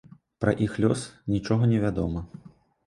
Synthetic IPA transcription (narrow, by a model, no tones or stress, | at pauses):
pɾɐʔixlʲɔsnʲit͡ʂɔɣɐnʲɛvʲad̪ɔmɐ